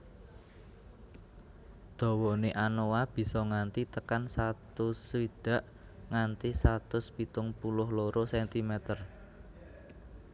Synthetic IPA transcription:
d̪̥ɔ̤wɔneʔanowab̥i̤sɔŋant̪it̪əkansat̪ʊswiɖ̥ä̤ʔ | ŋant̪isat̪ʊspit̪ʊŋpulʊhloɾosɛnt̪imɛt̪ər

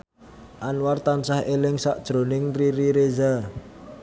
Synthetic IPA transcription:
ʔanwart̪ansahelɪŋsa̰ʔd̥ʒ̥ɾonɪŋriɾiɾeza

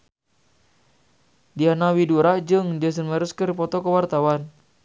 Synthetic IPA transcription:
dianawiduɾad͡ʒɨŋd͡ʒəs̬ənməɾuskərpɔt̪ɔkəwart̪awan

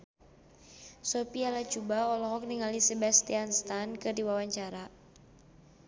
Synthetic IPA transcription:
sopialat͡ʃubaɔlɔɦɔk̚niŋalisɛbast̪ianst̪ankɨrdiwawaɲt͡ʃaɾa

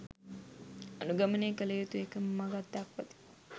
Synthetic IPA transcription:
ɐnuɡɐməneːkələjut̪uekəmːaɡat̪ːakʋɐt̪i̥

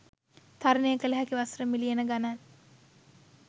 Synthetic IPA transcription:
t̪ʰaɾənejəkələɦækiʋasɾəmilienəɡanan

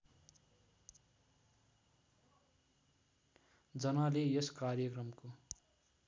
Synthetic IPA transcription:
d͡zʌnalejʌskarjʌkrʌmko

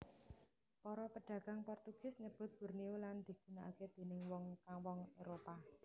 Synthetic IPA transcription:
pɔɾɔpəɖ̥ä̤ɡ̥a̤ŋpɔrt̪uɡ̥ɪsɲəb̥ʊ̤t̪̚b̥ṳrnioland̪̥i̤ɡ̥ṳnaʔa̰ked̪̥e̤nɪŋwɔŋkaŋwɔŋeɾopa

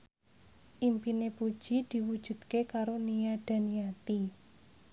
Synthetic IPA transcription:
ʔimpinepud̥ʒ̥i̤d̪̥i̤wud̥ʒ̥ṳd̪̥̚kekaɾonijad̪̥a̤nijat̪i

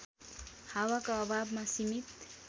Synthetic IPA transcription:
hawakaʌbʱabmasimit̪

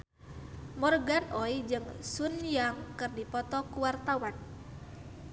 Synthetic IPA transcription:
mɔrɡanɔid͡ʒɨŋsunjaŋkɨrdipɔt̪ɔkuwart̪awan

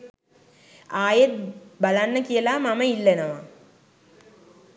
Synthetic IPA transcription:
aːjet̪̚balanːəkijəlaːmaməilːenəʋa̰

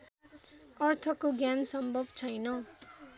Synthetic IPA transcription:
ʌrt̪ʰʌkoɡjansʌmbʱʌbt͡sʰʌjnʌ

